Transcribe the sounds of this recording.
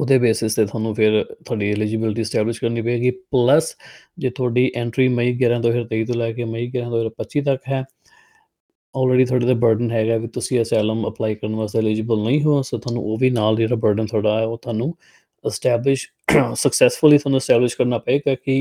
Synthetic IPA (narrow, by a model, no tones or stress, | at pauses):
ʊd̪eːbeːsɪst̪eːt̪ʰwaːnũːpʰɪɾt̪ʰʊaːɖiːɪliːd͡ʒəbɪlʈ̬iːsʈɛːblɪʃkəɾniːpəeːɡiːpləs | d͡ʒeːt̪ʰʊaːɖiːʔɛ̃ːɳʈɾiːməiːɡɪɾãːt̪̬õːpɪɾt̪eiːt̪õːlɛːkeːməiːɡɪɾãːt̪oːɪɾpətːʃiːt̪əkɦɛː | ɔːlɾeːɖiːt̪ʰwaːɖeːd̪abəɾɖənɦɛːɡaːʋiːt̪ʊsĩːəsɛːləməplaːiːkəɾənʋaːsd̪eːliːd͡ʒɪbəlnəĩːɦõsoːt̪ʰʊaːnṵ̃oːʋiːnaːld͡ʒeːɽaːbəɾɖənt̪ʰoaːɖaːɛːoːt̪ʰʊaːnũː | ɪsʈɛːblɪʃ | səksɛːsfʊliːt̪ʰaːnũːɪsʈɛːblɪʃkəɾnaːpəeːɡaːkɪ